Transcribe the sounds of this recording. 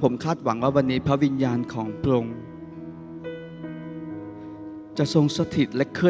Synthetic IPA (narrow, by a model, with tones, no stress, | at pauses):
pʰo˩˦mkʰaː˥˩t̪̚wa˩˦ŋwaː˥˩wa˧nːiː˦˥pʰɾa˦˥wi˧njaː˧nkʰɔː˩˦ŋpɾo˧ŋ | t͡ɕa˨˩ʔso˧ŋsa˧˥t̪ʰi˨˩t̪̚lɛ˦˥kʰɯ˥˩˨